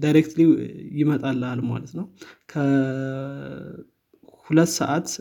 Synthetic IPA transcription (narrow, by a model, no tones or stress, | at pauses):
d̪ajɾekt̪liwjɪmət̪ʼalːəhalma̰lət̪nəwkʰə | hulət̪ːsə̰ʔat̪